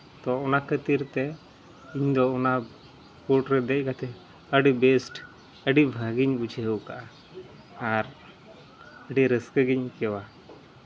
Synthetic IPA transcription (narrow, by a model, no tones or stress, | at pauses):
t̪ɔɔnakət̪iɾt̪ɛ | iɲd̪ɔɔna | pɔʈɾɛd̪ɛc̚ˀkat̪ʰɛ | əɖibɛsʈ | əɖibʱəɡiɲbut͡ʃʰəɦəwkaʔaː | ɾ | əɖiɾəskəɡiɲkɛwa